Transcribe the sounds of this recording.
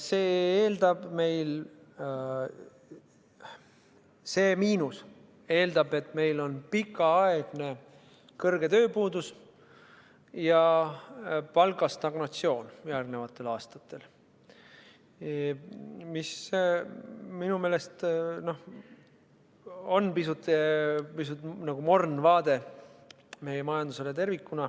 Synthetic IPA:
se̞ːeːld̪̥ɑb̥me̞jl | se̞ːmiːnus | e̞ːld̪̥ɑbe̞t̪me̞jlo̞npikːˑɑɑeɡ̥ne̞ | kɤrɡ̥e̞t̪ø̞ːpuːd̪̥us | jɑ | pɑlɡɑst̪ɑɡ̥not̪sio̞ːnjærɡ̥ne̞vɑt̪ːˑe̞lɑːst̪ɑt̪ːˑe̞l | mis | minume̞ːle̞st̪no̞h | o̞npisut̪ːˑpisut̪ːˑnɑɡ̥umo̞rnvɑːd̪e̞ | me̞jemɑjɑnd̪use̞let̪e̞rvikːunɑ

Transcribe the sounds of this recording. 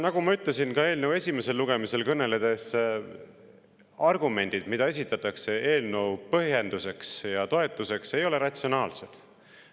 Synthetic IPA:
nɑɡ̥umɑyt̪lesinkɑe̞ːlnewe̞sʲime̞se̞lːuɡ̥e̞mise̞lkɤnːe̞le̞d̪̥e̞s | ɑrɡume̞nʲd̪̥id̪̥mid̪̥ɑe̞s̬it̪ːˑɑt̪ːˑɑkse̞eːlnəwpɤɦje̞nd̪̥use̞ksjɑt̪o̞e̞t̪ːˑuse̞kse̞jo̞le̞ɾɑt̪ʲsio̞nɑːlse̞d̪̥

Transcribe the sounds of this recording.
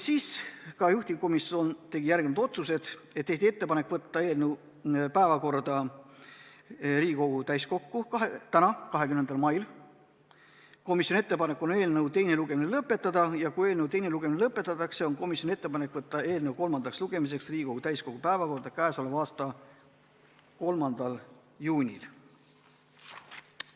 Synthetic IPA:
siːskɑjuht̪iko̞miso̞nt̪e̞ɡ̥ijæɾɡ̥emɑd̪̥o̞t̪suse̞d̪̥ | et̪ːeht̪ʲie̞t̪ːe̞pɑnekːˑvɤt̪ˑːɑe̞ːlnew | pæevɑko̞rd̪̥ɑ | riːɡʲiko̞ɡ̥ut̪æjsko̞kːukɑɦet̪ænɑkɑɦe̞kymnenɑlmɑjl | ko̞misjonie̞t̪ːˑe̞pɑne̞kːˑone̞ːlnɤwt̪e̞jne̞luɡ̥e̞minelɤpːˑe̞t̪ːˑɑd̪̥ɑjɑkuje̞ːlnewt̪e̞jne̞luɡ̥e̞minelɤpˑːe̞t̪ːˑɑt̪ːˑɑkse̞onko̞misʲjo̞nie̞t̪ˑːe̞pɑne̞kːˑvɤt̪ˑːɑe̞ːlneuwko̞lmɑnd̪ɑksluɡ̥e̞mis̬e̞ksriːɡi̥ko̞ɡ̥ut̪æjsko̞ɡ̥upæevɑko̞rd̪ɑkæːsɑlevɑːst̪ɑ | ko̞lmɑnd̪̥ɑl | juːnʲḭl

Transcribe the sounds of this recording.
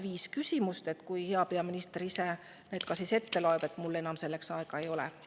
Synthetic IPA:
viːskysʲimust̪e̞t̪kujhe̞ɑpe̞ɑminist̪erise | net̪̚kɑsise̞t̪ːe̞lo̞ebe̞t̪ːmulːe̞nɑmse̞lːeksɑeɡ̥ɑe̞jo̞lɛ̰

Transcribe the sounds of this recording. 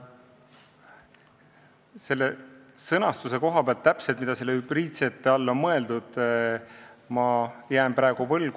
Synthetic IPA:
se̞lːesɤnɑst̪use̞ko̞ɦɑpeɑlt̪ːæpselt̪̚mid̪̥ɑse̞lːehyb̥riːt̪se̞t̪ːˑeɑlːo̞nmɤe̞ld̪ud̪̥ | mɑjæːmpɾɑeɡ̥uvɤlɡ

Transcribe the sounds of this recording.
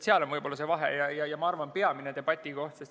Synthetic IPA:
seɑlo̞nvɤjbo̞lːɑsevɑɦḛjɑjɑjɑmɑɑrvɑnpe̞ɑmined̪e̞b̥ɑt̪ʲːˑiko̞ht̪sest̪

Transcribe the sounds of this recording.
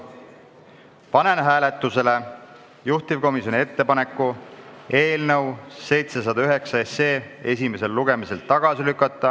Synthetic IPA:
pɑnenɦæːlet̪ˑːuse̞le̞ | juht̪ivko̞miso̞nʲie̞t̪ːe̞pɑne̞kːˑue̞ːlnɤwse̞jt̪se̞s̬ɑd̪ɑyɦe̞ksɑeseː | e̞s̬ʲime̞se̞lːuɡ̥e̞mise̞lt̪ɑɡ̥ɑsilykːˑɑt̪ˑːɑ

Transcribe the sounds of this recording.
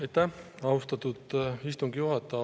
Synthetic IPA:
ɑjt̪ːæɑust̪ɑt̪ud̪̥ist̪uŋɡ̥ijuɦɑt̪ːˑɑ

